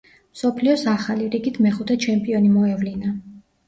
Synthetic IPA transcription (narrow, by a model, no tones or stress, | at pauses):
msɔpʰliɔsaχaliɾiɡit̪ʰmɛχut̪ʰɛt͡ʃʰɛmpʼiɔnimɔɛvlina